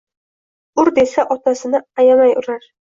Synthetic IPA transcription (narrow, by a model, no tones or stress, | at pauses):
ʊɾd̪e̞saʔɒt̪ʰasɪnɪajamajʊɾaɾ